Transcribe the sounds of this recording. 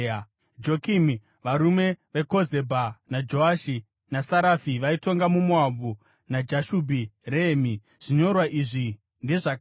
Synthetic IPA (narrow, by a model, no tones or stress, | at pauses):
d͡ʒo̞kimi | ʋaɾume̞ʋe̞ko̞ze̞bʱanad͡ʒo̞aʃi | nasaɾafiʋaito̞ŋɡamumuabu | nad͡ʒaʃubʱireːmi | ʐ̥iɲo̞rwaʔiʐi | nde̞ʐak